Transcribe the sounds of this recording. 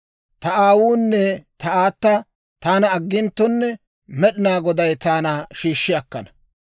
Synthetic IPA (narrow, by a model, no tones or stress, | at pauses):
t̪ɐaːwuːnːɛt̪ɐaːt̪ːɐ | t̪aːnɐːɡːɪnt̪ːɔnːɛ | mɛɗɪnaːɡɔd̪ɐjt̪aːnɐʃiːʃːɪɐkːɐnɐ̥